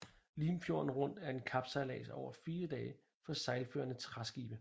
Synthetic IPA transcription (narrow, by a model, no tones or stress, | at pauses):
liːmfjo̝ɐn̩ʁɔ̽n̰d̥æɐe̝nkʰɑ̈b̥sɑ̈ɪlɛ̰ːsɒ̰ʊ̰ɐfiːɐd̥ɛːə | fɒ̽sɑ̈ɪlføɐnət͡sʰʁasɡ̥ḭːb̥ə